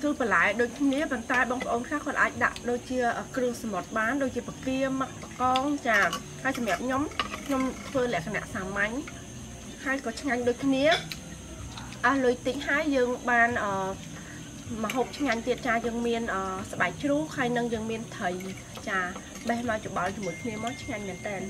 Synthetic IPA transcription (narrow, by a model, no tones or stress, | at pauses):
tuːpəlaɛɗoːc̚kʰniəpont̪aɛɓɑːŋpə̆ʔoːnkʰlaːhkʰŏət̪̚ʔaːc̚ɗa̰ʔɗoːc̚t͡ɕiəʔəːkruəhsamot̪̚ɓaːnɗoːc̚t͡ɕiəpakiəmək̚pakɑːŋt͡ɕaː | haəjsɑmjaəp̚ɲomkʰɲomt̪ʰʋəːlɛ̆əʔkʰana̰ʔsaːmaɲ | haəjkɑːt͡ɕʰŋaɲɗoːc̚kʰniə | ʔəlɨəjt̪ɨc̚haəjːəːŋɓaːnʔəː | mə̆ɦoːp̚t͡ɕʰŋaɲt̪iət̪̚t͡ɕaːjəːŋmiənʔəːsaɓaɛk̚t͡ɕruːk̚həjnɨŋjəːŋmiənt̪ʰəj | t͡ɕaː | ɓɛhmaɔjt͡ɕoɓɑlt͡ɕŏmuəjkʰniəmaːŋt͡ɕʰŋaɲmɛ̆ənt̪ɛːn